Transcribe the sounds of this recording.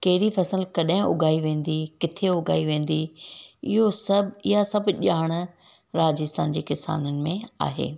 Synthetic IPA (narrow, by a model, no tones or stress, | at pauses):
kɐɦɪɾifɐsəlkɐɗɦɪ̃ʔʊ̰ɡʱaːiʋẽːn̆d̪ikɪt̪ʰeʊɡʱa̰ːiʋẽːn̆d̪iɪɦosɐbɪɦasɐbʄaːɽ̃ | ɾaːd͡ʑɪst̪aːnd͡ʑeːkɪsa̰ːnənɪ̆mẽa̰ːɦḛː